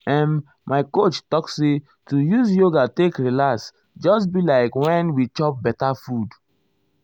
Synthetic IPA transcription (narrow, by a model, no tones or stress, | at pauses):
ɛ̃n | maɪkot͡ʃtɔksse | tujuzjoɡatekɹilaks | d͡ʒɔs̬bilaɪkwɛ̃nwit͡ʃɔp̚bɛtafud